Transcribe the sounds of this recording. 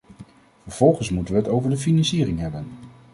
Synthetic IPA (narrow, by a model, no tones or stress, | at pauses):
vəɹv̥ɔlˠχənsmutəʋəɦətowvəɹdəfinɑnsiːrɪŋɦɛbən